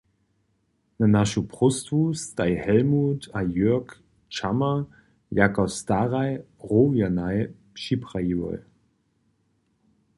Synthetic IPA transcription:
nənaʃupʁ̥ʊstvuːsd̥aɪhɛlmuːtʰajøɐk | t͡ʃamɐ | jakastaʁaɪ | ʁoːvjanaɪ | ʃipʁ̥aivɔ̰l

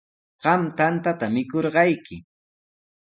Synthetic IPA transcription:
ɢ̥ɑmt̪ant̪at̪amɪkoɾɢɑjkɪ

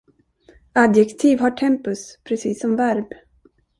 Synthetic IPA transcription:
ad̪jɛkt̪ʰiːvɦaʈʰɛmpɵspʰɾɛsiːsːɔmvæɾb

